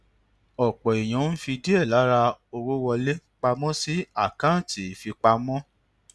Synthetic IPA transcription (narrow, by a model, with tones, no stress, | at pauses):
ɔ˨k͡pɔ˨i˨j̃ɔ̃˨˦n̩˦fi˧di˦ɛ˦˨la˨˦ɾa˧o˧wo˦wɔ˧le˦k͡pa˧mɔ̃˦si˦a˦˨kã˦˨ti˨˦˨fi˧k͡pa˧mɔ̃˦